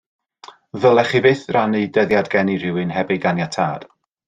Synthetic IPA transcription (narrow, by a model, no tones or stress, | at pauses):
ðəlˠɛχivɪθranidəðjadɡɛniɾɪwɨnhɛbiɡanjatʰa̰ːd̥